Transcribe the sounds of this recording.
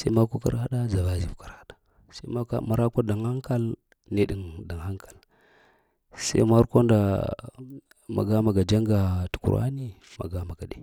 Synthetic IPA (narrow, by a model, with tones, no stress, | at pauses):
sa˦ma˦kʷo˦ka̰˦ɾa˦ɗa˦za˨va˨˦zi˨vka˨ɾha˦ɗa˨ | sa̰˦a˦ka̰˦ma˨ɾa˦ka˦da˨ŋha˦ŋka˦l | ne˦ɗi˨ŋda˨ŋa˦ŋkḁ˨l | sa̰˦i˦ma˦ɾko˦nda˨ | ma̰˨ɡa˦ma˨ɡa˨d͡ʒa˦ŋɡa˨tu̥˨kṵ˨ɾa̰˦ni˦ma̰˨ɡa˦ma˨ɡa˨ɗḛ˨